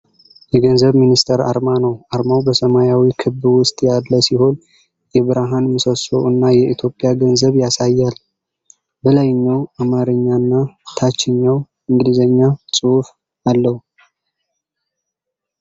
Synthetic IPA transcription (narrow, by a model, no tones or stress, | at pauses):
jɛɡənzəβminist̪ʰəɾa̰ɾmanəwaɾmawbəsəmajawikʰɨβwʊst̪ʼjalːəsiho̞n | jɛβɨɾaɦanmɨsəso̰ʔɨnːajɛʔit̪ʰjo̞pʼːjaɡənzəβjasajːal | bəlajɲːawamaɾɨɲːanːat̪ʰat͡ʃːɪɲːaw | ɨŋɡɨlizəɲːasʼɨuf | alːəhu